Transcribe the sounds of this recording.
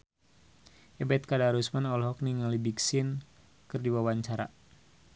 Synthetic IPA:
ʔɛbɛt̪̚kadaɾusmanɔlɦɔk̚niŋalibiksin | kɨrdiwawaɲt͡ʃaɾa̰

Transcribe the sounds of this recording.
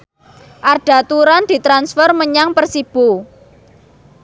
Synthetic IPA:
ʔarɖ̥a̤t̪uɾand̪̥i̤t̪ɾansfərməɲaŋpərsib̥o

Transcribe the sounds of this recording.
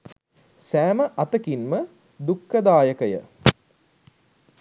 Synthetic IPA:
sæːməʔɐt̪əkinmə | d̪ukːəd̪aːjəkəjə̰

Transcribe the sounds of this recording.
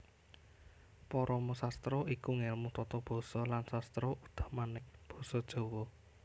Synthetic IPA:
pɔɾʔɔmusast̪ɾɔikuŋɛlmut̪ɔt̪ɔb̥ɔ̤sɔlansast̪ɾɔʔud̪̥a̤̥hmanɪhb̥ɔ̥̤sɔd̥ʒ̥o̤wɔ

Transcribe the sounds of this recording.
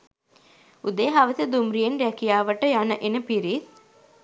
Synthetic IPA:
ud̪eɦaʋəsed̪umɾijenrækijaːʋəʈəjanəʔenəpiɾit̪

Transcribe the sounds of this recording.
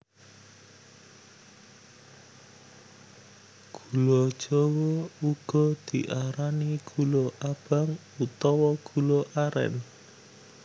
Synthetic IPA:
ɡ̥ṳlod̥ʒ̥ɔwɔuɡ̥ɔ̤d̪̥i̤ʔaɾaniɡ̥uloʔab̥a̤ŋ | ut̪ɔwɔɡ̥uloʔaɾɛ̰n

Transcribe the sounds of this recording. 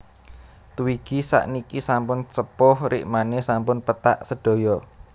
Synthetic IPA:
t̪uwiɡ̥isa̰ʔnikisampʊnt͡ʃəpʊhrḭʔmanesampʊnpət̪a̰ʔsəɖ̥o̤jɔ

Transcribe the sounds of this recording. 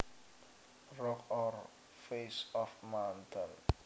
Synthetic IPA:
rɔkɔɾ | fesɔfmawntʰən

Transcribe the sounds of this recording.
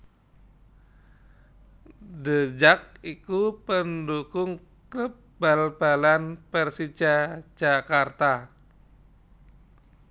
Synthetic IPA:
dəd͡ʒak̚ikupəndukʊŋ | kləp̚ | balbalanpərsid͡ʒḁd͡ʒakart̪a

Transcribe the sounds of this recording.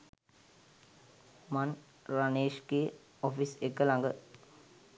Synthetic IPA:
man | raneːʃɡeː | ofisekːəlaŋɡə

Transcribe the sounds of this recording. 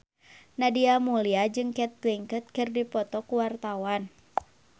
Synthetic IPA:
nadiamuliad͡ʒɨŋkɛt̪̚ːɛŋkət̪̚kɨrdipɔt̪ɔkuwart̪awan

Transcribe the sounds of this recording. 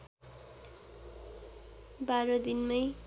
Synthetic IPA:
baɾʌd̪inmʌj

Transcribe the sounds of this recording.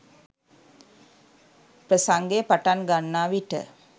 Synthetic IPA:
pɾəsaŋɡepaʈanɡanːaːʋiʈə̰

